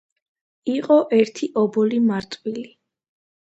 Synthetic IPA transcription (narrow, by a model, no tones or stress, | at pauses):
iqʼɔʔɛɾt̪ʰiʔɔbɔlimaɾt̪ʼwili